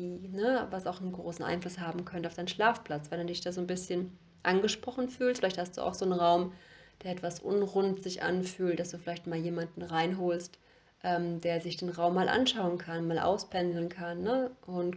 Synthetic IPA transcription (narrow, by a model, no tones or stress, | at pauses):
iːnəvasaʊxnənɡʁoːsn̩ʔa̰ɪnflʊshaːbm̩kʰœntəaʊfd̥aɪnʃlaːfpl̥at͡svɛnduːdɪçd̥aːzoːnbɪsçən | ʔanɡəʃpʁ̥ɔχn̩fyːltfɪlaɪçthastd̥ṵːʔa̰ʊxz̥oːnənʁaʊmd̥eːɐɛtv̥asʔʊ̰nʁʊntz̥ɪçʔa̰nfyːlt̚d̥asd̥uːfɪlaɪçtmaːljeːmandn̩ʁaɪnɦoːlst | ʔɛːmd̥eːɐzɪçd̥eːnʁaʊmːaːlʔa̰nʃaʊənkʰanmaːlʔa̰ʊspʰɛnzl̩nkʰanːəʔʊnt